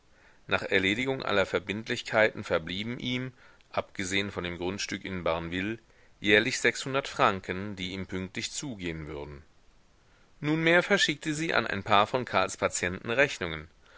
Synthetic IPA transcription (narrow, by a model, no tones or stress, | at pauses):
nʔaːχʔɛɐleːɾɪɡʊŋʔa̰lɐfɛɐbɪntʰlɪçkʰaɪtn̩fɛɐbliːbm̩ʔiːm | ʔapɡ̥əzeːənfɔndeːmɡʁʊntʃtʏkɪnbaɐnvɪl | jɛːɐlɪçz̥ɛkshʊndɐtfʁ̥aŋkəndiːiːmpʰʏŋk̚tlɪçt͡suːɡeːənvʏɐdn̩ | nuːnmeːɐfɛɐʃɪk̚təziːʔa̰nʔa̰ɪnpʰaːɐfɔnkʰaɐlspʰat͡sjɛntn̩ʁɛçnʊŋən